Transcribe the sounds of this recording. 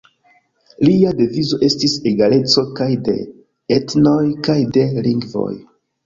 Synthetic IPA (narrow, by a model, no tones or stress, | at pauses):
liade̞vizo̞ʔe̞stiseɡale̞t͡so̞kajde̞̰ | etno̞jkajde̞liŋɡvo̰j